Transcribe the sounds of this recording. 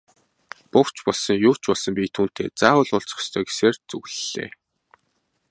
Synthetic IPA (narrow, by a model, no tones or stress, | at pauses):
pʊkt͡ɕpɔɮsɞ̆ŋjʊːt͡ɕpɔɮsɞ̆mpʲiːt̪ʰuːn̥t̪ḛːt͡saːwə̆ɮʊɮt͡sɞ̥̆st̪ʰœːɡe̥seːrt͡sɵɣɮɮḛː